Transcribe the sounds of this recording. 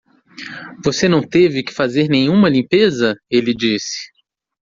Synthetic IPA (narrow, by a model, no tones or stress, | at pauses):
vosenɐ̃w̃t̪evɪkɪ̥fazeɾnẽɲ̃ũmɐlĩpezɐelɪd͡ʒisɪ̥